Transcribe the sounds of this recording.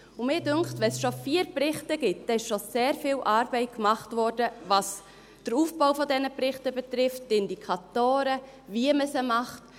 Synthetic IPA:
ʊmɪːdʏŋktvɛnsʃofiːɾprɪχtəɡ̥ɪt̚d̥ɛːɪʃʃoseːɾfiːlʔɑːɾbɛɪt̚kmɑχtvɔɾdəvɑs | d̥əɾuːfb̥aʊfɔdɛnəpɾɪχtəbɛtɾɪftːɪndikʰɑtoːɾə | viəməsəmɑχt

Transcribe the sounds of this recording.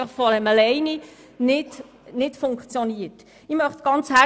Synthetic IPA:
χfɔdɛməlɛɪni | nɪt | nɪtfʊŋkt͡sjoniːət | imœχtɡ̥ɑnt͡shæ

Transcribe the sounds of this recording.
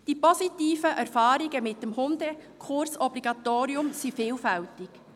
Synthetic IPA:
d̥ipɔsitiːfəʔæɾfɑːɾiɡəmɪtːəmhʊnd̪əkʰʊɾsɔbliɡ̥ɑt̪oːɾiʊmsifɪːlfɛltɪk

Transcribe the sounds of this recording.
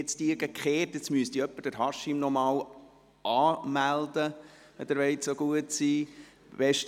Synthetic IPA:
ɪt͡st̪iːɾɡ̥əkχeːtɪt͡smyəst̪iœpːəd̥əɾɦɑʃimnɔmɑːw | ʔɑːmæld̪ə | ɛd̪əɾʋɛɪtsoɡ̥uətsiː | ʋɛʃt

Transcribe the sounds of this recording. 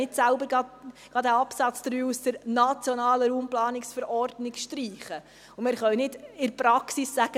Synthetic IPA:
ɪtsælbəɾɡɑɡ̥ɑd̪æɑpsɑt͡sd̥əɾyːusd̥əɾnɑt͡sjɔnɑːləɾuːmplɑːnɪksfəɾɔrdnɪkʃtɾiːχə | ʊmɪːɾχœwnɪdɪɾpɾɑksisːæɡ̥ə

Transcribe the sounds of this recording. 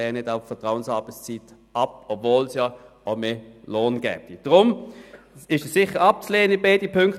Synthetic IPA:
ɛːnɪdaʊfəɐtʁaʊənshɑːb̥ət͡st͡siːt | ɑp̚ɔbvoːlsjɑ | aʊmeːloːnɡ̥ɛ̰ːb̚d̥id̥ʁʊm | ɪʃəsːɪχəɑp̚t͡sleːənɪbeɪdipʰʏŋkt

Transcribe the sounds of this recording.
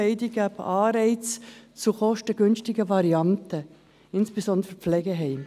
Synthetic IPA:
ɛɪdiɡ̥æbʔɑːɾɛɪt͡st͡suχɔʃtəɡ̥ʏnʃtɪɡəvɑɾiɑntə | ɪnsb̥esɔnd̪ɾəflɛɡəɦɛɪm

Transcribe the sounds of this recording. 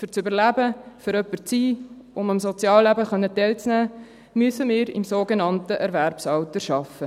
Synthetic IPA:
fʏɾt͡sybəɾlæbəfyɾœpːəɾt͡siː | ʊməmsot͡sjɑːlːæbəχœnːətɛɪlt͡snæː | myəsəmɪːɾɪ̰msoːɡenɑntəʔɛɾvæɾpsɑwtəʃɑfə

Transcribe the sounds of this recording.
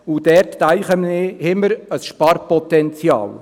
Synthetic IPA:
ud̥ɛɾtːæɪχəmnehɪməɾəsʃpɑɾpɔt̪ɛnt͡sjɑ̰ːl

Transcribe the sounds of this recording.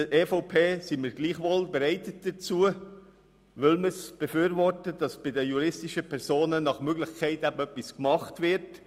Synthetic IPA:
əʔeːfoʊpʰeːsiməɾɡliːχʋolbɛɾɛɪtət̚d̥ət͡suə | ʋʏlməsb̥efyːɾvɔrtəd̥ɑsb̥ɪdəjuɾɪstɪʃəpʰɛɾzoːnənɑχmøɡlɪχkʰæɪtæbəœpːiskmɑχtʋɪɾt

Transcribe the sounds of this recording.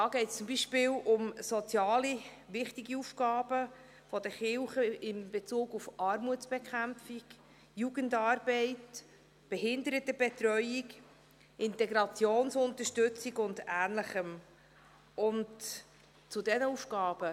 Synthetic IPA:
d̥ɑːɡ̥ɛɪtst͡sumbiːʃpɪːlʊmsɔt͡sjɑːli | vɪχtiɡiufɡɑːb̥ə | fɔdəχɪlχəɪmbɛt͡suːɡufʔɑɾmuətsb̥ɛkʰχæmfik | juɡəndɑːɾbɛɪt | b̥ɛɦɪndəɾətəb̥ɛtɾœʏik | ɪntɛɡɾɑt͡sjoːnsʊntəʃtɵt͡siɡʊndæːnləχəm | ʔʊnt | t͡sʊdɛnəufɡɑːb̥ə

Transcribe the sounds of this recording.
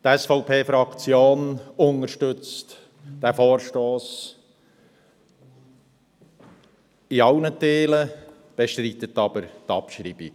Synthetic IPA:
d̥ɛsfɔʊpʰeːfɾɑkt͡sjoːnʊnəɾʃtʏt͡st | d̥ɛfoːɾʃtoːs | iɑʊnətʰeːlə | b̥eʃtɾiːt̪ətɑːbəɾt̪ɑ̰pʃɾḭːb̥i

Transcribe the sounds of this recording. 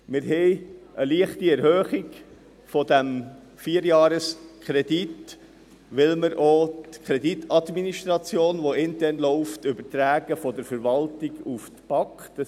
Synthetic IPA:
mɪɾɦɛɪʔəliəχtiɛɾhœːχiɡ | fɔd̪æm | fiːəɾjɑːɾəskʰɾɛdit | ʋɪlməɾʔotkʰɾɛditʰɑdminiʃtɾɑt͡sjoːnʋɔɪntɛɾnlɔʊftʏbəɾt̪ɾæːɡəfɔdəɾfəɾvɑltiɡuftb̥ɑkχt

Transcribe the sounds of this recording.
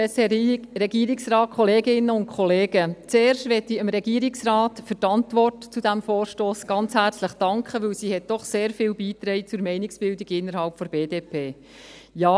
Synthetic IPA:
ɾɛɡiːɾɪksrɑːt̚kχɔleːɡɪnːəʊntkʰχɔleːɡət͡seːɾʃtʋɛtiəmɾɛɡ̥iːəɾɪksrɑːtfʏɾtɑntʋɔrtt͡sudæmfoːrʃtoːsɡ̥ɑnt͡shært͡sləχd̥ɑŋkχəʋɵwsiːhɛt̚d̥ɔχseːɾfɪːlbiːt̪ɾɛɪt͡sʊɾmɛɪnɪksb̥ɪldiɡɪnːəɾhɑlpfɔɾb̥eːdeːpʰeː | jaː

